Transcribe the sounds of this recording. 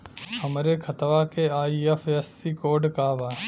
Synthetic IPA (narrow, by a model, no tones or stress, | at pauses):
həmɾeːkʰət̪ʋaːkeːaːiːəfʰesiːkoːɖkaːʋaː